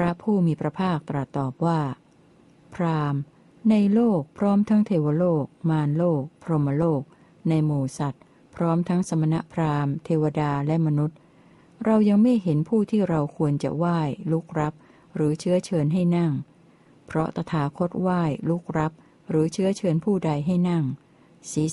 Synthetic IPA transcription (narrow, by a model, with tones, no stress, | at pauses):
pʰɾa˦˥pʰuː˥˩miː˧pɾa˧pʰaː˥˩k̚t̪ɾa˨˩t̪ːɔː˨˩p̚waː˥˩ | pʰɾaː˧m | na˧jloː˥˩k̚pʰɾɔː˦˥mt̪ʰa˦˥ŋt̪ʰeː˧wa˧loː˥˩k̚maː˧nloː˥˩k̚pʰɾo˧ma˧loː˥˩k̚ | na˧jmuː˨˩sa˨˩t̪̚ | pʰɾɔː˦˥mt̪ʰa˦˥ŋsa˧ma˧na˦˥ʔpʰɾaː˧mt̪ʰeː˧wa˧daː˧lɛ˦˥ma˧nu˦˥t̪̚ | ɾa˧wja˧ŋma˥˩jɦe˩˦npʰuː˥˩t̪ʰiː˥˩ɾa˧wkʰu˧ənt͡ɕa̰˨˩waː˥˩jlu˦˥k̚ɾa˦˥p̚ | ɾɯː˩˦t͡ɕʰɯ˦˥ɐt͡ɕʰɤː˧nɦa˥˩jna˥˩ŋ | pʰɾɔ˦˥t̪a˧t̪ʰaː˩˦kʰo˦˥t̪̚waː˥˩jlu˦˥k̚ɾa˦˥p̚ | ɾɯː˩˦t͡ɕʰɯ˦˥ɐt͡ɕʰɤː˧npʰuː˥˩da˧jɦa˥˩jna˥˩ŋ | siː˨˩˦